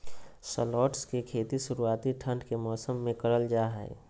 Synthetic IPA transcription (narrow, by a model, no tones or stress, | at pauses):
səlɔːʈskekʰeːt̪iʃʊɾuaːt̪iʈʰə̃ɳɖkemɔːsəmːẽkɐɾəld͡ʒaːɦɛ̰ː